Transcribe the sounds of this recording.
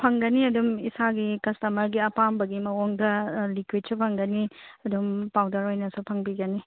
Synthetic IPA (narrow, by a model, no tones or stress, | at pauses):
pʰɐŋɡɐniɐdumisaɡikɐstɐmɐɾɡiɐpambɐɡimɐwoŋdɐlikwid̚supʰɐŋɡɐniɐdumpawdɐɾojnɐsupʰɐŋbiɡɐni